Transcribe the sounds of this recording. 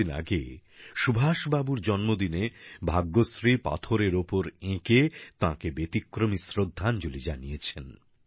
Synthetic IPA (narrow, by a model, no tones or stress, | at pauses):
ina̰ɡḛʃubʱaʃbabuɾd͡ʑɔnmod̪inebʱaɡːosɾipa̰t̪ʰoɾeɾopoɾẽket̪ãkebet̪ikːɾomisɾod̪ʱːand͡ʑolid͡ʑanijet͡ɕʰen